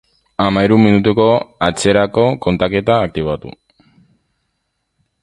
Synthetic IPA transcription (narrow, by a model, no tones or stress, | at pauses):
amaiɾumːinut̪uko̞at͡se̞ɾako̞ko̞nt̪ake̞t̪aːk̚t̪iβat̪ṵ